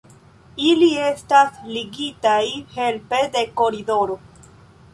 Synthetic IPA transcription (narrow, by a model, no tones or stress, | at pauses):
ilie̞stasliɡitajhe̞lpe̞de̞ko̞ɾido̞ɾo̞